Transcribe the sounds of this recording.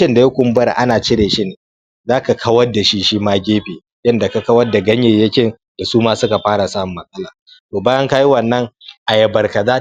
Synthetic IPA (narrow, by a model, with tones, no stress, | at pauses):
ɪ˦nda˨jɐ˦kʷʊ˨m˦bɐ˦ɾʔa̰˦naː˨t͡ʃɪ˦ɽeː˨ʃi˦neː˨ | zaː˦ka˨kʰɐ˦wɐ˦da˨ʃi˦ʃi˦maː˦ɡʲeː˦ɸeː˨ | jɐ˦nda˨ka˦kɐ˦wɐ˦da˨ɡɐ˦ɲjeː˦˨jɐ˦kʲɪ˦n | d̥a˨suː˦maː˦sʊ˦ka˨ɸaː˦ɽa˨saː˦˨mʊ˨mːɐ˦sʼɐ˦laː˨ | toː˨baː˦jɐ˦ŋka˦ji˦wɐ˨nːɐ˦ŋʔa˨jɐ˨bɐ˨rka˨zaː˦